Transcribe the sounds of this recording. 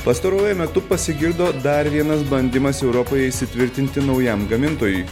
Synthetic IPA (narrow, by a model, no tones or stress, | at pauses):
pɐst̪ɐɾoɔːjɛmʲɛt̪ʊpɐsʲɪɡʲɪɾd̪oːd̪ɐɾʋʲiɛnɐsbɐnʲd̪ʲɪmɐsɛʊɾɔpoːjɛiʃsʲɪt̪ʲʋʲɪɾʲt̪ʲɪnʲt̪ʲɪnɒʊjɛmɡɐmʲɪnt̪oːjʊɪ